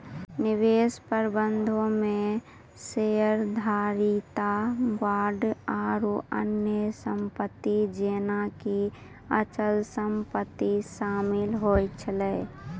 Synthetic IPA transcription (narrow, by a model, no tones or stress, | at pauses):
nɪʋeːspəɾbə̃nd̪ʱõmẽ | sejəɾd̪ʱaːɾit̪abaːɖaːɾuə̰njəsə̃mpət̪ːid͡ʒeːnaki | ət͡ʃəlsəmpət̪ːiʃaːmɪlɦoːjt͡ʃʰəlɛː